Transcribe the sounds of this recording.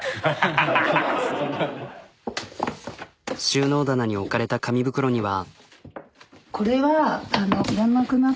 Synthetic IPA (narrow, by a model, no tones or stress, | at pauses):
ɕɨːno̞ːd̪anaɲ̟io̞kaɾe̞t̪akamʲibɯ̟kɯ̟ɾo̞ɲ̟iβa | ko̞ɾe̞βaːno̞iɾõnːakɯna